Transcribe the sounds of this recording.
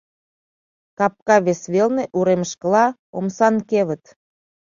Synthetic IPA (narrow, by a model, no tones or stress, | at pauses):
kɑp̚kɑβesβelneʔuɾeməʃkə̆lɑomsɑnkeβə̆t̪